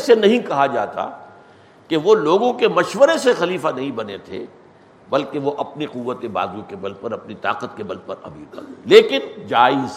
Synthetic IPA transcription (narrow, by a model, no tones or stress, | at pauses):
ɛːsenɐɦĩkɐɦad͡ʒaːt̪a̰ | keʋoloːɡõkemɐʃʋəɾesexɐliːfanɐɦĩbɐnet̪ʰḛ | bɐlkeʋoʔɐpniqʊʋːət̪eba̰ːzũkebɐlpɐɾɐpnit̪a̰ːqət̪kebɐlpɐɾɐ̰bḭːt̪ɐ̰kleːkɪnd͡ʒaːɪz